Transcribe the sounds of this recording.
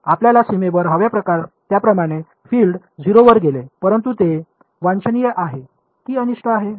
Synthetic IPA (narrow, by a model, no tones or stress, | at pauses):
apljalasimeʋəɾɦəʋjapɾəkaɾt̪japɾəmaɽ̃e | filɖ | d͡ziɾoʋəɾɡelepəɾənt̪ut̪e | ʋãnt͡ɕənijeʔaɦe | t̪iːəniʂʈʰəaɦe